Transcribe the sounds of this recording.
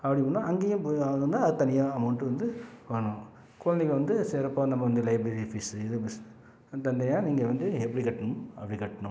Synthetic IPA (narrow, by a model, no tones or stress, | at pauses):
ɐpːɐɽimɐnːãʔɐŋɡeːjʊ̃pɐɐnd̪ɯɐðɯt̪ɐnɪjãːɐmɐʊɳʈːɯʋɐnd̪ɯʋɐːɳʊ̃ | kʊɭɐnd̪ɪkːɐʋɐnd̪ɯsɛɾɐpːanɐmːɐʋɐnd̪ɯlɐɪbɾɐɾifisɪðɯms | t̪ɐnd̪ɐnɪjaːniːŋɡɐʋɐnd̪ɯɛpːɐɽikɐʈːɐɳʊmɐpːɐɽikɐʈːɐɳʊ̃m